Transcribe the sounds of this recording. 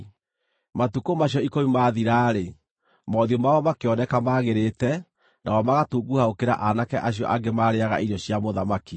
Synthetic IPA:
matukomaɕiɔikomimaðiɾaːɾe | mɔːðjomaɔmakeɔnɛkamaːɣeɾetɛ | nʔawɔmaɣatuɡuhaokeɾa̰ʔanakɛʔaɕjɔ̰ʔaɡemaɾeaɣa̰ʔiɾɔɕjamoðamaki

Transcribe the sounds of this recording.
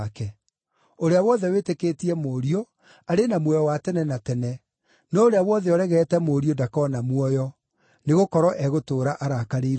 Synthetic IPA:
kɛ | oɾeawɔðɛwetekeːtiɛmoːɾio | aɾenamwɔjɔwatɛnɛnatɛnɛ | nɔoɾeawɔðɛɔɾɛɣɛːtɛmoːɾiodakɔnamwɔjɔ | neɣokɔɾɔʔɛɣotoːɾaʔaɾakaɾeiɾ

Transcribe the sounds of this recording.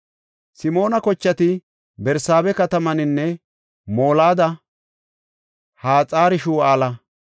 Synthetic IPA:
sɪmo̞ːnɐkɔt͡ʃːɐt̪ɪ | bɛɾsaːbɛkɐt̪ɐmɐnɪnːɛ | moːlaːd̪ɐ | haːt͡sʼaːɾɪʃuːaːlɐ

